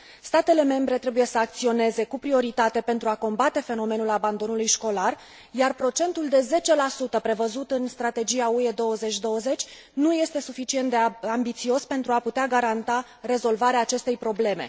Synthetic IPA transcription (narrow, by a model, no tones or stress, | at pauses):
st̪at̪e̞le̞me̞mbɾe̞t̪ɾe̞buje̞səak̚t̪sio̞ne̞ze̞kupɾio̞ɾit̪at̪e̞pe̞nt̪ɾuako̞mbat̪e̞fe̞no̞me̞nulaband̪o̞nulujʃko̞lar | jarpɾo̞t͡ʃe̞nt̪uld̪e̞ze̞t͡ʃe̞lasut̪əpɾe̞vəzut̪ɨnst̪ɾat̪e̞d͡ʒiaue̞d̪o̞wəze̞t͡ʃʲd̪o̞wəze̞t͡ʃʲ | nuje̞st̪e̞sufit͡ʃie̞nt̪d̪e̞ambit̪sio̞spe̞nt̪ɾuaput̪eaɡaɾant̪a | re̞zo̞lvaɾeaːt͡ʃe̞st̪e̞jpɾo̞ble̞me̞̰